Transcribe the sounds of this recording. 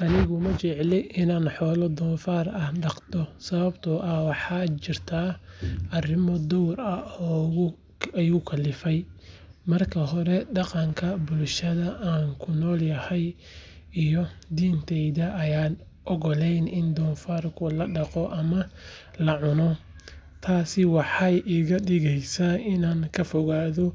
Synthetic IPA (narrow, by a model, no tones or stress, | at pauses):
ʔɐnɪɣʊmɐt͡ʃɛʕlɪʔɪnaːnħɔːlɔd̪ɔːnfaːrɐhɖɑqt̪ʰɔsɐβɐbt̪ʰʊʔɐwɑħɑːt͡ʃɪrt̪ʰaːʔɐrɪmɔd̪ɔwrɐɔ | jʊkʰɐlɪfɛj | mɐrkʰɐɦɔɾɛɖɑqɑŋkʰɐbʊlʃɐðɐʔaːŋkʰʊnɔːljɐhɛj | ijɔd̪iːnt̪ʰɛjðɐʔɐjaːn | ʔɔɣɔlɛjnɪnd̪ɔːnfaːrkʰʊlɐɖɑqɔʔɐmɐlɐʕʊnɔ | t̪ʰaːsɪwɑħɑjʔiːɣɐɗɪɣɛjsaɪnaːŋkʰɐfɔɣaːðɔ